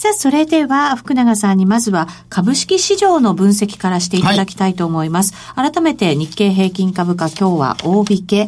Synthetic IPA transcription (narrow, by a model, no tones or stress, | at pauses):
saso̞ɾe̞d̪e̞βaɸɯ̟̥kɯ̟naɡasãɲ̟ːimazɨβakʰabɯ̟ɕi̥kʲiɕiʑo̞ːno̞bɯ̟̃ɰ̃se̞kʲi̥kaɾaɕi̥t̪e̞it̪ad̪akʲi̥t̪ait̪o̞ːmo̞imasɨ̥ | aɾat̪ame̞t̪e̞ɲ̟ikːe̞ːɦe̞ːkʲĩŋkabɯ̟kakʲo̞ːβa̰ʔo̞ːbʲike̞